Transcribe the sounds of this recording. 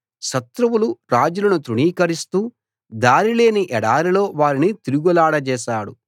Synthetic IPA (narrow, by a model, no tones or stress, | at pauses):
ʃɐt̪ɾɐwuluɾaːd͡ʒulɐnut̪ɾuɳiːkɐɾist̪uː | d̪aːɾile̞ːniʔɛɽaːɾilo̞ːʋaːɾinit̪iɾuɡulaːɽɐt͡ʃɛːʃaːɽu